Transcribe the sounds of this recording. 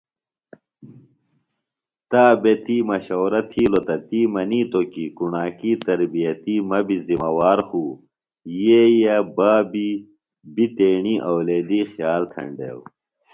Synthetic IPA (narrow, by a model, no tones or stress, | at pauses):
t̪aːbet̪iːmɐɕoːɾɐt̪ʰiːlot̪ɐt̪imɐniːt̪okikunaːkiːt̪ɐɾbijɐt̪iːmɐbizimɐwaːɾxuː | jeːjɐbaːbi | bit̪eːɳiːʔɐwleːd̪iːxjaːlt̪ʰɐ̰ɳɖḛːw